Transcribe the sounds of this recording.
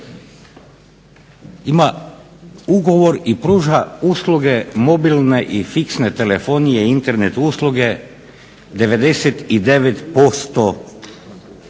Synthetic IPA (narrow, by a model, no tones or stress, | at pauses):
ima | uɡo̞ʋo̞ɾipɾuːʒauːslˠuɡe̞mo̞bilneʔifiksnet̪elefo̞ːnijeint̪eɾnet̪uslˠuɡe̞ | d̪e̞ʋe̞d̪e̞set̪id̪e̞ʋet̪po̞st̪o